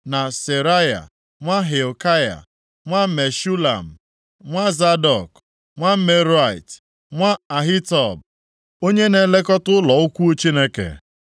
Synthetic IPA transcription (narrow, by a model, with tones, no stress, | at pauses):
na˨se˨ɾa˦ja̰˨ | ŋʷa˦ɦe˨o˨ka˦ja̰˨ | ŋʷa˦me˨ʃu˦la̰˨m̩˨ | ŋʷa˦za˦dɔ˨k | ŋʷa˦me˦ɾa˨ḭ˨t | ŋʷa˦a˨ɦi˦tɔ˨b̚ | o˦ɲe˦ne˨le˦kɔ˦tʊ˦lɔ˨ʊ˦kʷu˦t͡ʃi˦ne˦kḛ˨